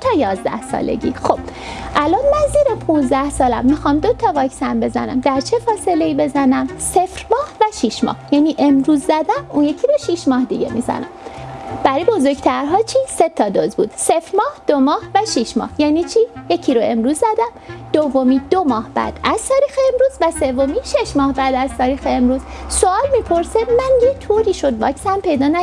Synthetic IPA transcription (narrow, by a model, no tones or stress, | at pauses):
t̪ʰɒːjɒːzd̪æ̰hsɒ̰ːlḛɟḭːxob̥ʔælʔɒnmænziːɾepʰũnzd̪æhsɒːlæmːixɒːmd̪o̞t̪ʰɒvɒːcsænbe̞zæ̰næ̰md̪æɾt͡ʃʰe̞fɒːse̞leiːbe̞zænæmsefɾmɒːhvæʃiʃmɒ̰hjæːniːʔe̞mɾuːzːæd̪æmunje̞cʰiɾoʃiʃmɒːhd̪iɟḛmḭːzæ̰næ̰mb̥æɾijbo̞zo̞ɾɡt̪ʰæɾɦɒːt͡ʃʰiːse̞t̪ʰɒːd̪ozbṵːd̪̥sefɾmɒːhd̪̥omɒːhvæʃiʃmɒ̰ːhjæːniːt͡ʃʰiːjecʰiɾoe̞̰mɾuːzːæd̪æmd̪̥ovːo̞miːd̪omɒːhb̥æ̰ːd̪̥æz̥t̪ʰɒːɾiːxeːmɾuːzvæse̞vːo̞miːʃe̞ʃmɒːhbæd̪æz̥t̪ʰɒːɾiːxeemɾuːzsoɒːlmiːpʰo̞ɾsemænjet̪ʰoɾiːʃo̞d̪vɒːksænpe̞jd̪ɒːnæ